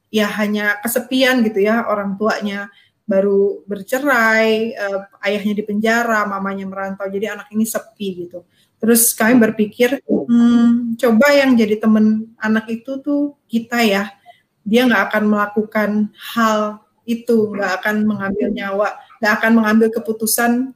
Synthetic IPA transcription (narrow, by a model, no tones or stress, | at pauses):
jaɦaɲakəsəpianɡit̪ujaoɾaŋt̪uaʔɲa | baɾubərt͡ʃəɾajəːajahɲadipəɲd͡ʒaɾamamaɲaməɾant̪awd͡ʒadianakinisəpiɡit̪u | t̪əɾʊskamibərpikɪr̩ | t͡ʃobajaŋd͡ʒadit̪əmənanakit̪ut̪ʊkit̪aja | diaŋɡaʔːkanməlakukanhal | it̪uŋɡaʔːkanməŋambɪlɲawaʔŋɡaʔːkanməŋambɪlkəput̪usan